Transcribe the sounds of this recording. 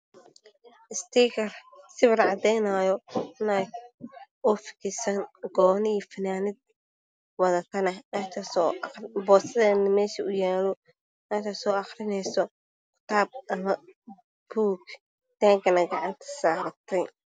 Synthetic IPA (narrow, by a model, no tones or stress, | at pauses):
ʔɪst̪iːkʰɐrsɪβɪrʕɑd̪ɛjnaːjɔɪnaː | ɔfɪ̥kʰɪsɐnɡɔːnɪiːfɐnaːnɪd̪̚ | wɐðɐk̪ʰɐnɐnaːt̪ʰɐsɔbɔːsɐðɛːnɐmɛːʃɐʊjaːlɔ | naːt̪ʰɐsɔːɑxrɪnɛjsɔ | kʰʊ̥t̪ʰaːb̚ɐmɐ | b̥uːk | d̪̥aːŋkʰɐnɐɡɑʕɑnt̪ʰɐ̥saːɾɐt̪ʰɛj